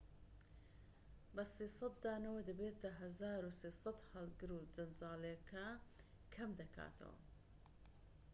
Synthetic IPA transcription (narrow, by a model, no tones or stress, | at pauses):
bɐsiːsɐt̪̚d̪aːnɐwɐd̪ɐbeːt̪ɐɦɐzaːɾuseːsɐt̪hɐlɡɨɾud͡zɐnd͡ʒaːlekʰa | kʰɐmd̪ɐkʰa̰ːt̪ʰɐ̰wɐ̰